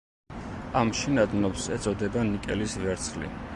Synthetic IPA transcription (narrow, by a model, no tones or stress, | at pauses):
amʃinad̪nɔpsɛt̪sʼɔd̪ɛbanikʼɛlisvɛɾt̪sʰχlḭ